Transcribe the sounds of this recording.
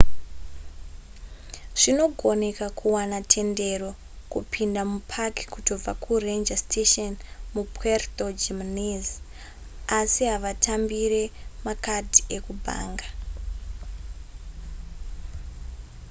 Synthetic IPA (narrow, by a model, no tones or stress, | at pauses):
ʐ̥ino̞ɡʱo̞nekakʰuwanatʰe̞nde̞ro̞ | kupʰindamupʰaki̥kuto̞b͡vakʰurend͡ʒastʰeʃonmupertod͡ʒemniz | asiɦaʋatʰambiɾe̞makadʱiekubʱa̰ːŋɡa